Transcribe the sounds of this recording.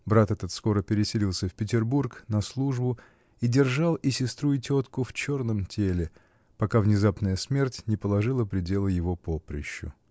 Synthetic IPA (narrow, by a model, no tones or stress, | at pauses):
bɾat̪ɛt̪ət̪sko̞ɾəpʲɪɾʲɪsʲɪlʲilˠsʲəfʲpʲɪtʲɪrburknɐslˠuʐbʊ | idʲɪrʐalˠisʲɪst̪ɾuɪtʲot̪kʊft͡ɕo̞rnəmtʲʰelʲɪ | pɐkavnʲɪzapnəjəsmʲe̞rtʲnʲɪpəlˠɐʐɨlˠəpɾʲɪdʲe̞lˠəjɪvo̞popɾʲɪ̰ɕːʊ̰